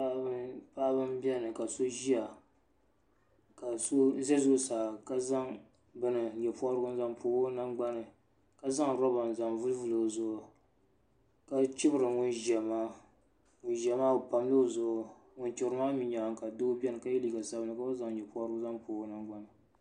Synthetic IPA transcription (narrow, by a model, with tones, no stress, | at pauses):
a˦bɨ˦paː˦bɨ˦m˦bɛ˦˨nɨ˨ka˨so˦ʒi˦a˨ | ka˨so˦zɛ˦zʊ˦saː˨ka˦za˦ŋ | bɨ˦nɨ˨ɲɛ˨pu˦a˦ɾɡʊ˦n˦za˦ŋpʰoː˨o˦na˦ŋɡ͡ba˦nɨ˨ | ka˦za˦ŋɾɔ˦ba˨n˨za˨ŋvu˦lvɨ˦lo˨zʊ˨ʊ˨ | ka˦t͡ʃɪ˦bɨ˦ɾɨ˨ŋʊ˦nʒɛ˨maː˦ | ŋʊ˨nʒɛ˨maː˦o˨pa˨m˦lo˦˨zʊ˨ | ŋʊ˨nt͡ʃɪ˨ɾɨ˨˦maː˦mi˨ɲa˨˦ŋ˨ka˨do˦bɛ˦nɨ˨ka˦ji˦li˨ɡa˨sa˦bnɨ˦˨ka˦ba˦za˦˨ŋɲɛ˨pu˦a˦ɾɨ˦ɡʊ˦za˦ŋpoː˨o˦na˦ŋ͡mɡ͡ba˦nɨ˨